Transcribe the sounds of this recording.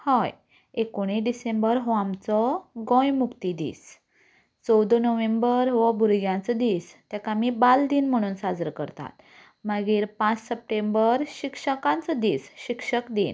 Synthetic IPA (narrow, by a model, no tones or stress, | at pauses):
hɔj | ekoɽ̃iɖisembəɾɦɔamt͡sɔɡɔ̃jmukt̪id̪ḭːs | t͡sɔwd̪onəʋẽmbəɾɦɔbʱuɾɡjãnt͡səd̪ist̪jakamibald̪iːnm̤əɽ̃uːnsad͡zəɾkəɾt̪a̰t̪ | maɡiːɾpãt͡ssəp̚ʈẽmbəɾɕikʂəkãnt͡səd̪iːsɕikʂəkd̪in